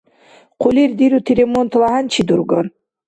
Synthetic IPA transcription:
qʰʊlʲiɾd̪iɾut̪ʰiɾʲemont̪lˠaɦant͡ʃʰid̪uɾɡɔn

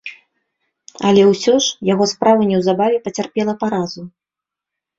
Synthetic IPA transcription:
ɐ̰lʲɛwsʲɔʂjaɣɔspɾavɐnʲɛwzabavʲɛpɐt͡sʲarpʲɛlˠɐpaɾazu

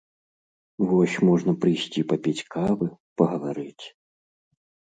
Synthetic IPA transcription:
vɔsʲmɔʐnɐpɾɨjsʲt͡sʲipɐpʲɛt͡sʲkʰavɨpɐɣɐvaɾɨt͡sʲ

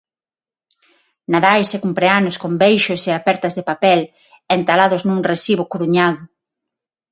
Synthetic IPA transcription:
naðajsekumpɾeanʊskombejʃʊseapɛɾt̪ɐzðepapɛl | ent̪alaðʊznũŋresiβʊkuɾuɲaðʊ

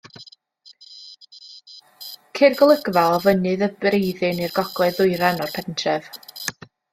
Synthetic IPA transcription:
kʰɪrɡɔlˠəɡvalˠvənɨðəbrejðɨnirɡɔɡ̥lˠɛðʊɨɾɛnɔrpʰɛntʰrɛv

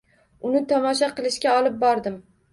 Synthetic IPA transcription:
ʊnɪt̪ʰɒmɒʃ̬aqɨlˠɪʃkʲaɒlˠɪp̚bɒɾd̪ɪm

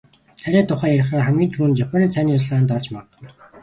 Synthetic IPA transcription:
t͡sʰæɾʲæːt̪ʰʊχæːjæɾɪ̆χaːχæmɡʲiːnt̪ʰruːnjapʰʲanʲiːt͡sʰæniːʊɮɮaːnt̪ɔrt͡ɕmat̪̆

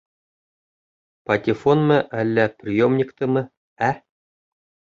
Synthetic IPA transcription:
pɐt̪ʲɪfonmɘʔælːæprʲɪjomnʲikt̪ɤ̆mɘ̆ | æ

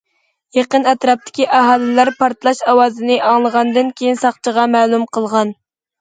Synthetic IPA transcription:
jeqənɛt̪ɾɑp̚t̪ʰɪ̥kʲiʔɑɦɑːlˠɪlæɾpʰɑɾt̪lˠɑʃɑwɑːzɨnɨʔɑŋlˠəʁɑnd̪ɨnkʲʰejinsɑχt͡ʃʰəʁɑmɛːlˠumqʰəlˠʁɑn

